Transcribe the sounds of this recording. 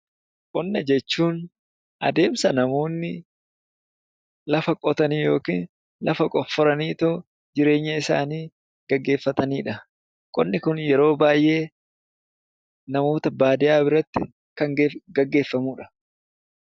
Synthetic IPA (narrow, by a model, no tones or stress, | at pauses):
kʼɔnːɐd͡ʒɛt͡ʃːuːn | ʔɐ̰d̪e̞ːmsɐnɐmo̞ːnːɪ | lɐfɐkʼɔt̪ɐniːjo̞ːkḭːn | lɐfɐkʼɔfːɔɾɐniːt̪o | d͡ʒɪɾe̞ːɲːɐɪsa̰ːniː | ɡ̥ɐɡːe̞ːfːɐt̪ɐniːᶑɐ | kʼɔ̰nːɪkʊnjɛɾo̞ːbaːjʔe̞ː | nɐmo̞ːt̪ɐbaːd̪ɪjaːbɪɾɐt̪ːɪ | kɐŋɡɡɐɡːe̞ːfːɐmuːᶑɐ̥